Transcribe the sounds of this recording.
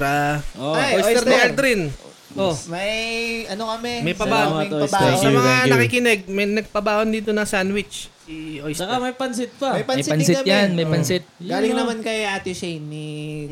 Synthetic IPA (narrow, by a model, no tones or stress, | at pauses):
ɾaoojsj̪ɛɾɪʔɛld̪ɾɪn | ʔʔomɐjʔɐnokɐmɛmɐjpɐbaːʔoɐbsɐmɐŋaɐkikɪnɛɡ̚mɐjnɐɡ̚pɐbaːʔond̪iːt̪onɐŋsanwɪt͡ʃsiʔojst͡ʃːɐkamɐjpɐnsɪt̪̚pɐmɐjpɐnjsɐnɪsɪɐjanmɐjpɐnsɪt̪̚ɡaːlɪŋnɐmankɐjat̪ɪʃɛjnːɪ